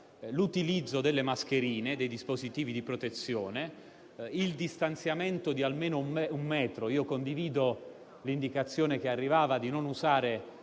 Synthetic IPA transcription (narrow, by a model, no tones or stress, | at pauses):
lut̪ilid̪zːod̪elːemask̟eɾiːned̪ejd̪ispozit̪iːvid̪ipɾot̪et̪sːjoːne | ild̪ist̪ant̪sjament̪od̪ialmeːnoumɛumːɛːt̪ɾoiːokond̪iviːd̪o | lind̪ikat̪sːjoːnekearːivaːvad̪inonuzaːɾe